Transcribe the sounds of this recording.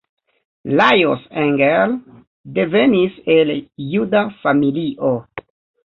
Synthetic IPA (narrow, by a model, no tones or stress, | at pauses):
lajoseŋɡel | de̞ve̞nise̞ljudafamiliʔo